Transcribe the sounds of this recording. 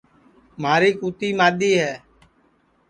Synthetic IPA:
maːɾiːkuːt̪iːmaːɗ̪iːɦɛː

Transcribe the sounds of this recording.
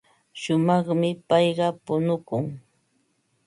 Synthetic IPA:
ʃʊmɑχmɪpɑjɢɑpʊnʊkʊŋ

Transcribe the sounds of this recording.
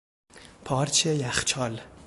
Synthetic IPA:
pʰɒɾt͡ʃʰejaχt͡ʃʰɒl

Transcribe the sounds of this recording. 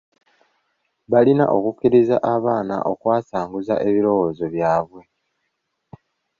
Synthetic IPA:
βalina̰ʔo̞kukːiɾiza̰ʔaβaːna̰ʔo̞kwaːsaːŋɡuza̰ʔe̞βiɾo̞wo̞ːzo̞βjaːβwe̞

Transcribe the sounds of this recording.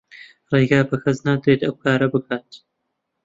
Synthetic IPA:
rejɡaːbɐkʰɐznaːd̪ɾeːt̪ɐwkʰaːɾɐbɨkʰaːt̪̚

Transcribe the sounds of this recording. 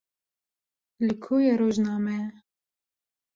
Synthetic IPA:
likʰojɛɾoʒnamɛ

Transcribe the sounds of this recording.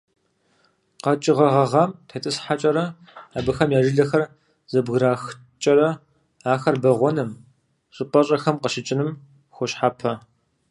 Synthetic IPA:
qɐt͡ʃʼɪʁɐʁɐʁɐmtʰɐtʼɨsħat͡ʃʼɐɾɐ | aːbɨxɐmjaːʒɪɮɐxɐr | z̥ɐbɣɾaːx | t͡ʃʼɐɾɐ | aːxɐrbɐʁʷɔnɐm | ɕʷʼɨpʼɐɕʼɐxɐmqəʃɪt͡ʃʼɪnɨm | xʷʊɕħaːpʰɐ

